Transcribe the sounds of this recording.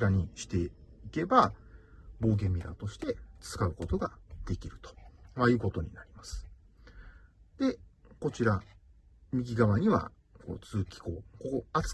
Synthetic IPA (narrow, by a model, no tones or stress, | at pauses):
ɾaɲ̟iɕi̥t̪e̞ike̞ba | bo̞ːɡẽ̞mʲːiɾa̰t̪o̞ɕi̥t̪e̞t͡sɨ̥kaɯ̟ko̞t̪o̞ɡad̪̥e̞kʲiɾɯ̟t̪o̥majɯ̟ːko̞t̪o̞ɲ̟ḭnaɾʲimasɨ̥ | d̪e̞ko̞t͡ɕiɾa | mʲiɡʲiɡaβaɲ̟iβa̰ | ko̞̰ːt͡sɨːkʲi̥ko̞ːkokoat͡s